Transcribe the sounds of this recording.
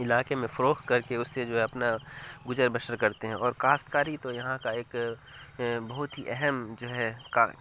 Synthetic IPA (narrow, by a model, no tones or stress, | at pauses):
ɪlaːkemẽfɐɾoːkt̪̚kɐɾkeʊsːed͡ʒoːɦɛɐpnaɡʊd͡ʒəɾbəʃəɾkɐɾt̪eɦɛ̃ɔːɾkaːst̪kaːɾit̪ojɐɦãkaeːk | bɐɦʊt̪ɦiʔɛɦɛmd͡ʒoːɦɛka